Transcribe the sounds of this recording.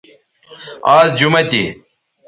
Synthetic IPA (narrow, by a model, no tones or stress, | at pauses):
aːzd͡ʑumɐt̪i